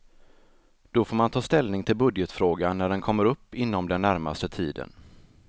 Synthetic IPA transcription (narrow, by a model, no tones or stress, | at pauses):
d̪̥ɔfoːɾmant̪ʰɑːst̪ɛlnɪŋt̪ʰɪlbɵd̪jət̪fɾoːɡanːæɖɛnkʰɔmːəɾɵpːɪnːɔmd̪ɛnːæɾma̰st̪ət̪ʰiːd̪ə̰n